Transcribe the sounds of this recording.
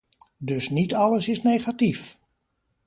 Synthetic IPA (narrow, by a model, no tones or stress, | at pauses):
dɵsnitɑləsɪsnejχatif